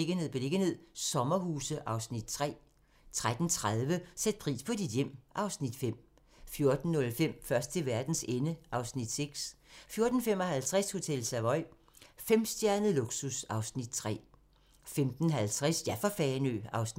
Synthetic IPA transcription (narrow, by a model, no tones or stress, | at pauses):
eɡ̥əne̝ð̩̰ˠb̥e̝le̝ɡ̥ənhe̝ð̰ˠsɒ̽mɐɦuːsəʔɑ̈ʊsnid̥t͡sʰʁɛ̰ː | t͡sʰʁad̥n̩t͡sʰʁað̞ˠʋəsed̥̚pʰʁḭːspʰɒ̽d̥id̥jem̰ʔɑ̈ʊsnid̥fem̰ | fjo̝ɐd̥n̩ːɔ̽lfem̰fɶɐsd̥̚t͡sʰe̝ʋæɐd̥n̩senəʔɑ̈ʊsnid̥seɡ̥sfjo̝ɐd̥n̩fem̰ɒ̽hælt͡sʰʁɛsho̝t͡sʰel̰sæʋɒ̽ɪ̰ | fem̰sd̥jæɐnð̩ˠloɡ̥susɑ̈ʊsnid̥t͡sʰʁɛ̰ː | femd̥n̩ɦælt͡sʰʁɛsjæfɒfɛnø̰ɑ̈ʊs